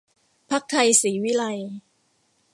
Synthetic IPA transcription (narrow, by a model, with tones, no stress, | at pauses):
pʰa˦˥k̚t̪ʰa˧jsiː˩˦wi˦˥la˧j